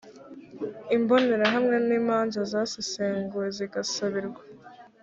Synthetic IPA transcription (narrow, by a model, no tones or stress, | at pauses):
imbo̞ne̞ɾaɦamŋe̞niːmaːnzazaːsiseːŋɡuwe̞ziɡasaβiɾɡwḁ